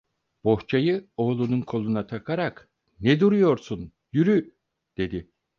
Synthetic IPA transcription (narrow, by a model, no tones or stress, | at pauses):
b̥o̞ht͡ʃʰajɯo̞ːlˠununkʰo̞lˠunat̪ʰakʰaɾak | nɛd̪uɾujo̞ɾsun | jyɾy | d̪̥e̞d̪i